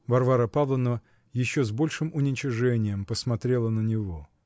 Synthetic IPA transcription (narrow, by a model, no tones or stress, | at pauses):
vɐrvaɾəpavlˠənəvə | jɪɕːozbo̞lʲʂɨmʊnʲɪt͡ɕɪʐɛnʲɪjəmpəsmɐt̪ɾʲe̞lˠənənʲɪvo̞